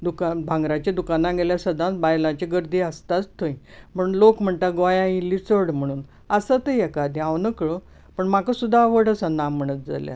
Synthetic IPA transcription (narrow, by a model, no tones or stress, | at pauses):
d̪ukabʱãŋɡɾat͡ɕad̪ukanaɡeljasəd̪ʱãt͡sbajlãt͡ɕeɡəɾd̪ʱiːəst̪at͡st̪ʰoi | m̤əɳɳlokm̤əɳt̪aɡojãilːit͡səɽm̤əɽ̃uːn | əsət̪əjɛkad̪ʱiaʋnəkɭo | pəɳmakəsud̪ʱːaʋəɽəsanːãm̤əɽ̃ət̪̚d͡za̰lja̰